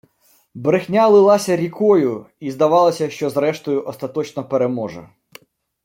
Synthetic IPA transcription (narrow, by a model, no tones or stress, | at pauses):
bɾexnʲalˠɪlˠɑsʲɐɾʲikɔjʊ | izd̪ɐʋɑlˠɐsʲɐʃt͡ʃɔzɾɛʃt̪ɔjʊʔɔst̪ɐt̪ɔt͡ʃnɔpeɾemɔʒɛ̰